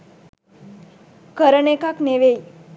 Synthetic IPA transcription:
kəɾəɳekakneʋej

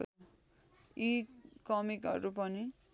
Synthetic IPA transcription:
ikʌmikɦʌ̰ɾup̬ʌni

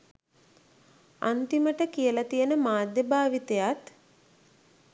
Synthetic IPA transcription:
a̰nt̪iməʈəkijəlat̪ijənəmaːd̪jebaːʋit̪ejat̪

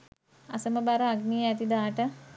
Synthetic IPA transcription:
asəməbaɾəaɡnijəæt̪id̪aːʈə

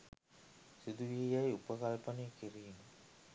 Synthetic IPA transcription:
sid̪uʋijajupəkalpənejkiɾiːnə

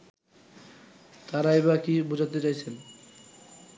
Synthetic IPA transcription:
t̪aɾaeβakibod͡ʑat̪̬et͡ɕajt͡ɕʰen

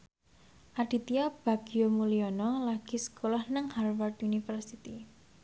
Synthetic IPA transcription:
ʔaɖ̥i̤t̪iab̥a̤ɡ̥iomuliɔnɔlaɡ̥i̤sə̥kolahnəŋharwart̪unifərsit̪i

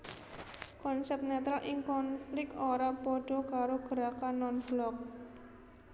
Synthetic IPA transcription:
kɔnsɛp̚t̪nat̪ɾalʔɪŋkɔnflɪk̪̚oɾapɔɖ̥ɔ̤kaɾoɡ̥əɾakanːɔnb̥lɔk̚

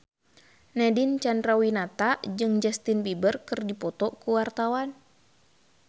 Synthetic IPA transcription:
nɛdint͡ʃandɾawinat̪ad͡ʒɨŋd͡ʒast̪inbibərkɨrdipɔt̪ɔkuwart̪awan

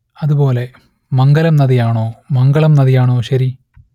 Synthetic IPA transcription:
ɐðubo̞ːle̞ | mɐŋɡɐlɐmnɐðijaːɳoːmɐŋɡɐɭɐmnɐðijaːɳoːɕɐɾi

